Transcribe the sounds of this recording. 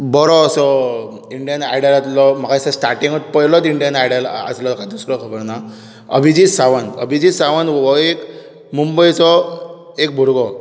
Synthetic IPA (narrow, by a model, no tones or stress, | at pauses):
bɔɾɔsɔ | iɳɖijənajɽalat̪lɔm̤akasasʈaɾʈĩŋɡɔt̪̚pəjlɔt̪iɳɖijənajɽala̰slɔkad̪usɾɔkʰəbəɾna | ə̰bʱid͡ʑisaʋanə̰bʱid͡ʑisaʋanʋɔek | mumbəjt͡sɔ | ek̚bʱuɾɡɔ